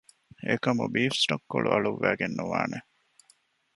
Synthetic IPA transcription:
ekɐmubiːfsʈokːoɭʔuʔɐɭuʋːæːɡenːuʋaːne

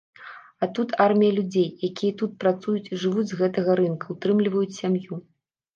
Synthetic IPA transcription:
at̪ut̪armʲijɐlʲud͡zʲejjakʲijɐt̪ut̪̚pɾat̪sujut͡sʲiʐɨvud͡zʲzɣɛt̪ɐɣɐɾɨnkɐut̪ɾɨmlʲivɐjut͡sʲsʲamju

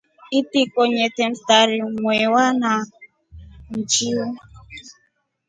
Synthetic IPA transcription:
itikɔɲetem̩taɾiŋwɛwana | n̩t͡ʃiɔ

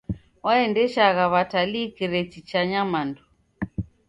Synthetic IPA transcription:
waɛndɛʃaɣaβatalikiɾɛt͡ʃit͡ʃaɲamandu

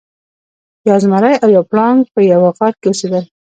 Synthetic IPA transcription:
jɑzmaɾajawjɑplɑŋɡpəjawaɣɑɾ̚kewəsed̪əl

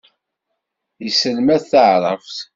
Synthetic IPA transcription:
jəsəlmæθθəʕɾˤə̰fθ

